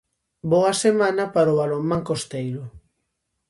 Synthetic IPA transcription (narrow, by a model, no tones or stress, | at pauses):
boɐsemanɐpaɾoβalomãŋkost̪ejɾʊ